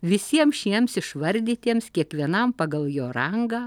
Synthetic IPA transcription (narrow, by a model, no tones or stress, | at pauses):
ʋʲɪsʲiɛmʃʲiɛmsɪʃʋɐɾʲd̪ʲiːt̪ʲiɛmskʲiɛkʋʲiɛnɐmpɐɡɐlˠjoːɾɐŋɡɑː